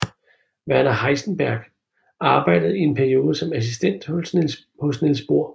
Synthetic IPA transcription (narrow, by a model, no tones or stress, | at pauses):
ʋæɐnɐhɑ̈ɪsn̩b̥æɐɡ̥ | ɑ̈ːb̥ɑ̈ɪ̰d̥əð̞̩ˠie̝npʰæɐio̝ːð̞ˠəsɒ̽mæs̬isd̥en̰d̥ | hɔ̽snelsb̥o̝ɐ̰